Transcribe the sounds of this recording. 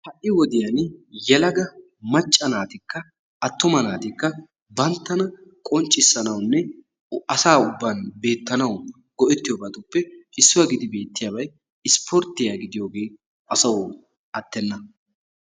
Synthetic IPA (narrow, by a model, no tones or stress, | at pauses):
hɐʔʔːɪwɔd̪ɪjɐnjɛlɐɡɐ | mɐt͡ʃʼːɐnaːt̪ɪkːɐ | ɐt̪ːʊmɐnaːt̪ɪkːɐ | bɐnt̪ːɐnɐkʼɔnt͡ʃʼːɪsːɐnɐwnːɛ | ɐsaːʊbːɐnbe̞ːt̪ːɐnɐw | ɡɔʔɛt̪ːɪjɔːbɐt̪ʊpːɛɪsːʊwɐɡɪd̪ɪbe̞ːt̪ːɪjaːbɐj | ɪspʰɔɾt̪ːɪjaːɡɪd̪ɪjo̞ːɡe̞ː | ɐsɐwʊ | ʔɐt̪ːɛnːɐ